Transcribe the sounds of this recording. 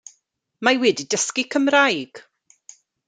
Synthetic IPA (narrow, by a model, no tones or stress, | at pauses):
mawɛdidəskikʰəmrajɡ̥